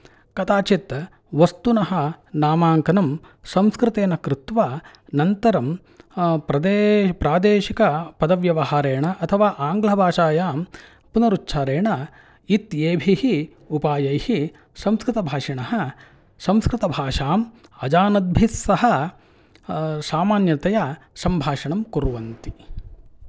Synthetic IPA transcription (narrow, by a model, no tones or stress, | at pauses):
kɐt̪aːt͡ʃit̪ɐ | ʋɐst̪unɐɦɐnaːmaːŋkɐnɐm | sɐmskɾɪt̪eːnɐkɾɪt̪ʋaː | nɐnt̪ɐɾɐm | pɾɐd̪eːpɾaːd̪eːʃikɐpɐd̪ɐʋjɐʋɐɦaːɾeːɳɐʔɐt̪ʰɐʋaːʔaːŋɡlɐbʱaːʃaːjaːm | punɐɾut͡ʃːʃʰaːɾeːɳɐ | it̪eːbʱihi | upaːjɐjhi | sɐmskɾɪt̪ɐbʱaːʂiɳɐɦɐ | sɐmskɾɪt̪ɐbʱaːʂaːmɐd͡ʒaːnɐd̪̚bʱisːɐɦɐ | saːmaːnjɐt̪ɐjɐsɐmbʱaːʂɐɳɐmkuɾuʋɐnt̪i